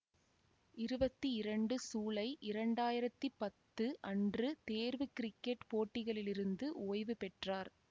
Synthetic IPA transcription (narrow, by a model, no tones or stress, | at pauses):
ɪɾɯbɐt̪ːiɪɾɐɳɖɯsuːlɐɪʔɪɾɐɳɖaːjɪɾɐt̪ːipɐt̪ːɯʔɐndrɯt̪eːɾʋɯkɪɾɪkːɛʈpoːʈːɪɣɐɭɪlɪɾɯnd̪ɯʔoːjʋɯpɛʈraːɾ